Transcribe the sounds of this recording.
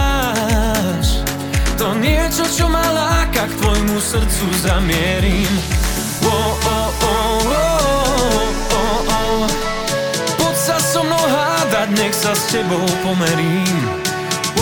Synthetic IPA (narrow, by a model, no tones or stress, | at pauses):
ʃ | t̪ɔnɛt͡ʃɔt͡ʃɔmalakakt̪vɔjmusrt̪suzamjɛɾim | wɔɔ | ɔwɔ | ɔɔ | pɔt̪sasɔmnɔwɦad̪ad̪ɲɛxsast͡ɕɛbowpɔmɛɾim